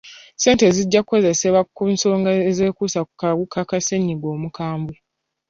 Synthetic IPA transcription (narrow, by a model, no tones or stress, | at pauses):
se̞ːnte̞ziɟːakuko̞zeseβakunso̞ːŋɡaeze̞ːkuːsakukaɣukʰakaseɲːiɡo̞ːmukaːmbwe